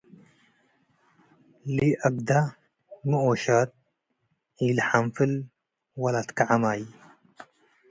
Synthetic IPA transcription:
liʔɐɡ̚d̪a | muoʃat̪̚ | iːlħamfil | wɐlaːt̪kaʕamaːj

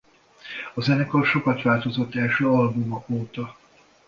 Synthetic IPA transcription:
ɒzɛnɛkorʃo̞kɒt̪ʋaːlt̪o̞zot̪ːɛlʃøːɒlbumokoːt̪ɒ

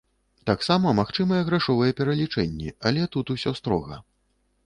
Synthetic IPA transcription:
t̪aksamɐmaxt͡ʂɨmɐjɛɣɾaʂɔvɐjɛpʲɛɾɐlʲit͡ʂɛnʲːɛɐlʲɛt̪ut̪usʲɔst̪ɾɔɣɐ̰

